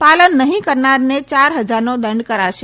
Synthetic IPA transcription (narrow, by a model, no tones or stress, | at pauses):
palənːəɦĩkəɾnaɾnet͡ʃaɾɦəd͡ʒaɾnõd̪ə̃ɳɖkəɾaʃe